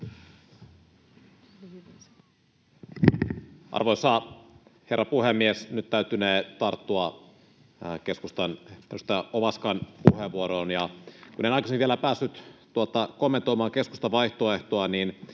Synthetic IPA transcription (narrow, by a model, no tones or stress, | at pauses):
ʔɑ̰rʋojsɑ | herːɑpuhemːiesnyt̪t̪æyt̪ːyneːt̪ɑrt̪ːuɑ | ke̞skust̪ɑnt̪ost̪æʔoʋɑskɑnpuheʋːuoɾoːnjɑkunenɑjkɑsemʋielæpæːsːyt̪t̪uot̪ɑkomːent̪o̞imɑːŋke̞sku̥st̪ɑʋɑjht̪oeht̪oɑniːn